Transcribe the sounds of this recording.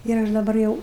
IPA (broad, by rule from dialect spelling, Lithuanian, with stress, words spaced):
ɪr ˈɐʃ dɐˈbɐr jɛʊ